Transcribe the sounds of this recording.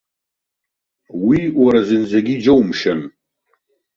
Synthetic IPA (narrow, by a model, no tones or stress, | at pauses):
wiwaɾazɨnzaɡʲid͡ʒowmʃan